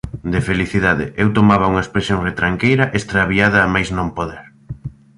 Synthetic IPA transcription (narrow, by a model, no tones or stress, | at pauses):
d̪efeliθiðaðɪ̰ʔewt̪omaβɐuŋɐespɾesjoŋret̪ɾaŋkejɾɐʔest̪ɾaβiaðɐːmajznõmpoðɛɾ